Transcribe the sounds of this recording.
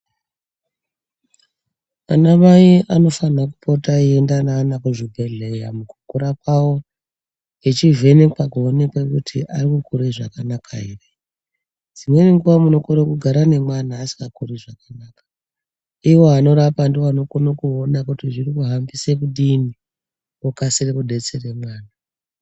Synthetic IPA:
anamaiʔano̞fanaku̥pʰotaiendanaːnakuʐibʱeɮejamukukuɾakawo | et͡ʃive̞nepakuone̞kwekutʰiʔarikukuɾeʐa̰kanakʰaere | d͡zimweneŋɡuʋamuno̞koɾekuɡʱaɾane̞mwanaːsi̥ŋɡakuriʐakanaːkḁ | iwo̞ano̞ɾapandiwano̞konokuonakutiʐirikuɦambisekuɗini | okasirekuɗe̞t͡sere̞mwaːna

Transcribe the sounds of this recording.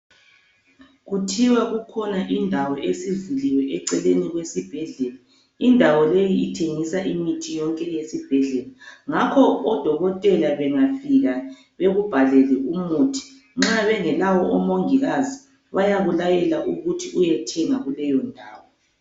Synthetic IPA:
ɣutʰiwaɣukʰɔnaʔindʱawɔʔesivuliwɛʔɛǀɛleniɣwesib̥ʱɛɮɛla | indʱawɔlejiitʰeŋisaʔimitʰijɔŋkʼɛjesib̥ʱɛɮɛlaŋakʰɔːd̥ʱɔɣɔtʼɛlaβɛŋafiɣa | βeɣub̥ʱaɮɛlɛʔumuːtʰi̥ | ŋ͡ǁaβɛŋɛlawɔɔmoŋiɣazi | βajaβulajɛlaʔuɣutʰiujɛtʰɛŋaɣulɛjɔndʱaːwɔ

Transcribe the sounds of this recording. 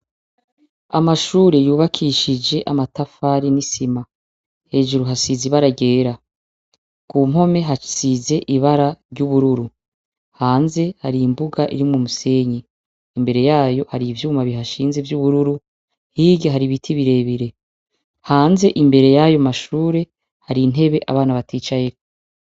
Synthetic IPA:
amaʃuːɾejuːβakʰiʃid͡ʒe̞ʔamatafaːɾinisima | he̞ːʒuɾuɦasiziβaɾaɟe̞ːɾa | kum̥ho̞me̞ɦasize̞ʔiβaɾaɾɟuβuɾuɾu | haːnze̞haɾimbuɡaʔḭɾimumuse̞ːɲiː | mbe̞ɾe̞jaːjo̞haɾivjuːmaβiɦaʃiːnze̞vjuβuɾuɾu | hiːɟeɦaɾiβitʰiβiɾe̞βiɾe̞ | haːnze̞ʔimbe̞ɾe̞jaːjo̞maʃuːɾe̞ | haɾine̞βe̞ʔa̰βaːnaβatiːt͡ʃajeko

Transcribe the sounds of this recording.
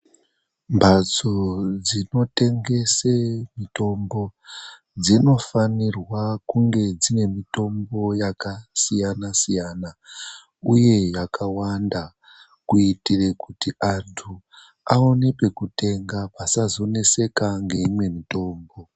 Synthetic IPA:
mbʱat͡sod͡zino̞te̞ŋɡe̞semito̞mbo̞ | d͡zino̞fanirwakuŋɡe̞d͡zine̞mito̞mbo̞jakasijanasijaːna | uje̞jakawanda | kuitire̞kutiʔantʰu | ao̞ne̞pe̞kute̞ŋɡapasazo̞ne̞se̞kaŋɡe̞imwe̞mito̞ːmbo̞

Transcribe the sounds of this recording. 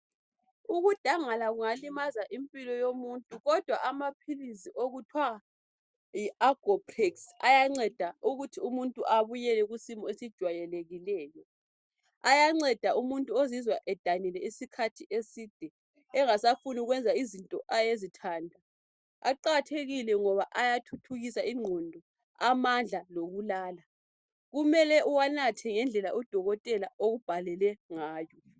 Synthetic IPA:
uɣud̥ʱaŋalaɣuŋalimazaʔimpʼilɔjomuntʼuɣɔd̥ʱwaʔamapʰiliziʔoɣutʰwa | jiaɡ̥ʱɔpʰriksajaŋ͡ǀɛd̥ʱauɣutʰiumuntʼuʔaβujɛlɛɣusimɔesid̥ʒ̥ʱwajɛleɣilɛːjɔ | ajaŋ͡ǀɛd̥ʱaʔumuntʼuozizwaʔɛd̥ʱanilɛisikʰatʰiʔesiːd̥ʱɛ | ɛŋasafuniuɣwɛnd͡zʱaizintʼɔ̰ʔajezitʰaːndʱa | aǃatʰeɣilɛŋɔβaʔajatʰutʰuɣisaiŋ͡ǀʱɔndʱɔ | amand͡ɮʱaloɣulaːla | ɣumɛlɛʔuwanatʰɛŋɛnd͡ɮʱɛlaʔɔd̥ʱɔɣɔtʼɛlaoɣub̥ʱalɛlɛŋaːjɔ

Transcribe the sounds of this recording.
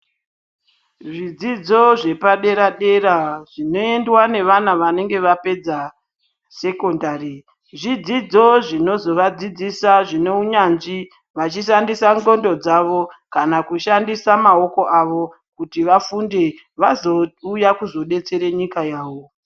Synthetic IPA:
ʐid͡zid͡zo̞ʐe̞paɗe̞ɾaɗe̞ɾaʐ̥ino̞e̞ndwane̞ʋanaʋane̞ŋɡe̞ʋape̞d͡za | se̞ko̞ndari | ʐid͡zid͡zo̞ʐino̞zo̞ʋad͡zid͡zisaʐine̞uɲanʐi | ʋat͡ʃiʃandisaŋɡo̞ndo̞d͡zaʋo̞kanakuʃandisamao̞ko̞ʔaʋo̞ | kutiʋafunde̞ | ʋazo̞ujakuzo̞ɗe̞t͡se̞ɾeɲikajaːʋo̞

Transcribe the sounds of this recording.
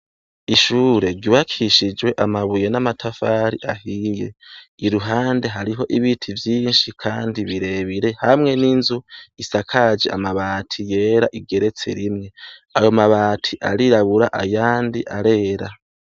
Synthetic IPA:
iʃuːɾe̞ɾɡiβakʰiʃid͡ʒwe̞ʔamaβuje̞namatʰafaːɾiʔahije̞̰iɾuɦaːnde̞ɦaɾiɦo̞ʔiβitʰivjiːnʃikʰaːndiβiɾe̞βiɾe̞hamŋe̞ninzuisakʰad͡ʒeʔa̰maβaːtʰije̞ːɾaʔiɡe̞ɾe̞t͡sḛɾimŋe̞ajo̞maβaːtʰiʔaɾiɾaβuɾaʔa̰jaːndiʔaɾe̞ːɾa

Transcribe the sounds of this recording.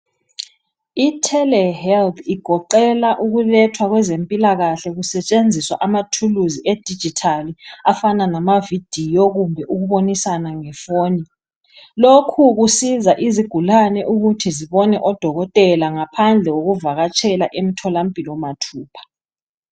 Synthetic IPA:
itʰɛlɛhɛlt̪ʰiɡ̥ʱɔǃɛlaʔuɣulɛtʰwaɣwɛzempʼilaɣaɬɛɣusɛt͡ʃʼend͡zʱiswa̰ʔamatʰuluzied̥ʱid̥d͡ʒ̥ʱitʰaliafananamavid̥ʱijɔɣumbʱɛʔuɣuβonisanaŋɛfoːni | lokʰuɣusizaʔiziɡ̥ʱulanɛʔuɣutʰiziβɔnɛʔɔd̥ʱɔɣɔtʼɛlaŋapʰand͡ɮʱɛɣoɣuvaɣat͡ʃʰʼɛlaʔem̩tʰɔlampʼilwɔmatʰuːpʰḁ

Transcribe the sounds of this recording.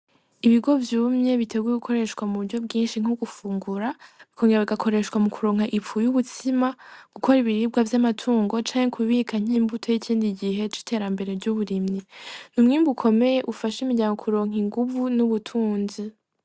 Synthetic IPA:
iβiɡo̞vjuːmɲe̞βitʰe̞ɡujeɡukʰo̞ɾe̞ʃkwamuβuɾɟo̞b̚ɡiːnʃiŋ̥uɡufuːŋɡuɾaβikʰoːŋɡeɾaβiɡakʰo̞ɾe̞ʃkwamukʰuɾo̞ːŋhaʔipfujuβutʰimaɡ̥ukʰo̞ɾiβiɾiːb̚ɡwavjamatʰuːŋɡo̞t͡ʃaːŋekʰuβikʰaɲ̥iːmbutʰo̞jicʰiːndiɡiɦe̞t͡ʃi̥tʰe̞ːɾambe̞ɾe̞vɟuβuɾimɲinumŋiːmbukʰo̞me̞je̞ʔufaʃimiɟaːŋɡokʰuɾo̞ːŋ̥iŋɡuvunuβutʰuːnzi

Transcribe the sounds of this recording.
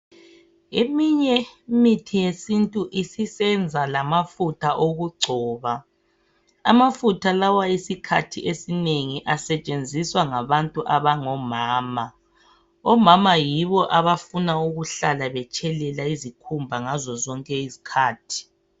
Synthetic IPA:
emiɲɛmitʰijesintʼuʔisisɛnd͡zʱalamafutʰaʔoɣuɡ͡ǀʱɔːβa | a̰mafutʰalawaisikʰa̰tʰiʔesineŋiʔasɛt͡ʃʼend͡zʱiswaŋaβantʼuʔaβaŋɔmaːma | ɔmamajiβɔʔaβafunauɣuɬalaβɛt͡ʃʰʼɛlɛlaizikʰumbʱaŋazɔzɔŋkʼɛizi̥kʰaːtʰi̥

